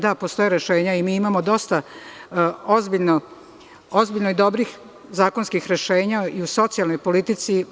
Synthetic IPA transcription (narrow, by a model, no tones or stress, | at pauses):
d̪apo̞st̪o̞jeɾeʃe̞ːɲaimiːimamo̞d̪o̞st̪a | o̞zbiʎno | ozbiʎnoid̪o̞bɾix | zaːko̞nskixɾeʃe̞ːɲaiuso̞t̪sijalnojpo̞lit̪it̪si